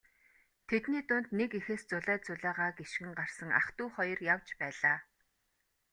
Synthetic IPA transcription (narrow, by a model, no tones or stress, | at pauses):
t̪ʰet̪niːt̪ʊnt̪nekixeːst͡sʊɮæːt͡sʊɮæːʁaːɡeʃɡɘ̆ŋɢar̥sə̆ŋa̰χt̪uːχɔjɞ̆rjawt͡ɕpæːɮaː